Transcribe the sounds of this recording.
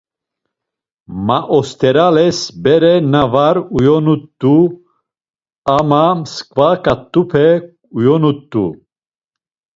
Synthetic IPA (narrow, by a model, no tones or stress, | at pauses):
maʔɔst̪ʰɛɾalɛsbɛɾɛnavaɾujɔnut̪ːu | amamskʼvakʼat̪ʼːupʰɛ | ujɔnut̪ːṵ